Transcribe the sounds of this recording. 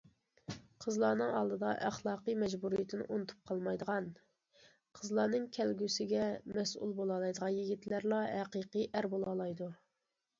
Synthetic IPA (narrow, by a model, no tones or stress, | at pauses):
qʰəzlˠɑːnɨŋɑ̰lˠd̪ɨd̪ɑʔæχlˠɑːqɨmɛd͡ʒbuɾijt̪ʰɪnɪ̰ʔonɨt̪ʰu̥p̚qʰɑlˠmɑjd̪əʁɑn | qʰəzlˠɑːnɨŋkʲʰɛlɡʲysɪɡʲɛmɛsʔṵlˠbolˠɑlˠɑjd̪əʁɑnjiɡʲit̪læɾlˠɑɦæqəqəʔæɾbolˠɑlˠɑjd̪u